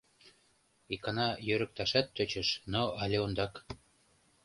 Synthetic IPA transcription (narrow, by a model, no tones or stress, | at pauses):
ikɑnɑjøɾə̆k̚t̪ɑʃɑt̪ːøt͡ɕə̆ʃnoɑlʲeond̪ɑk